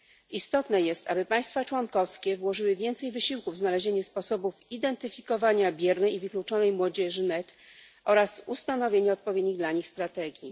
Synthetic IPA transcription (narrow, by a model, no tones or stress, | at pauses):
ist̪ɔt̪nɛjɛst̪abɘpaj̃st̪fat͡ʂwɔŋkɔfskʲɛvwɔʐɘwɘvʲjɛnt̪sɛjvɘɕiwkuvznalɛʑeɲɛspɔsɔbufid̪ɛnt̪ɘfʲikɔvaɲabʲjɛɾnɛjivɘklut͡ʂɔnɛjmwɔd͡ʑɛʐɘnɛt̪ | ʔɔɾasust̪anɔvʲjeɲɛɔt̪̚pɔvjed̪ɲiɣd̪laɲixst̪ɾat̪ɛɡʲji